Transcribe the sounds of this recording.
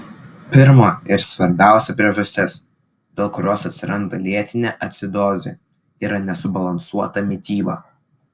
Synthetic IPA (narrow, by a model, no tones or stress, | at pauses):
pʲɪɾmoːɪɾsʋɐɾʲbʲæˑʊsʲɛpʲɾʲiɛʒɐsʲt̪ʲɪs | d̪ʲeːlˠkʊɾʲoːsɐt̪ʲsʲɪɾɐnd̪ɐlʲiɛt̪ʲɪnʲeːʔɐt̪ʲsʲɪd̪oːzʲḛ | iːɾɐnʲɛsʊbɐlˠɐnsuɔt̪ɐmʲɪt̪ʲiːbɐː